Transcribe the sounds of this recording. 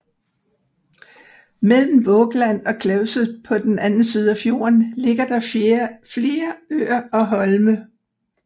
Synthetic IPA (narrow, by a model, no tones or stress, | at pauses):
mel̰m̩ʋɔ̽ːɡ̥læn̰ɒ̽kʰlɛʊsəpʰɒ̽d̥enænn̩siːð̞̩ˠæfjo̝ːɐnle̝ɡ̥ɐd̥ɑ̈fle̝ːɐø̰ːɐɒ̽ɦɒ̽lmə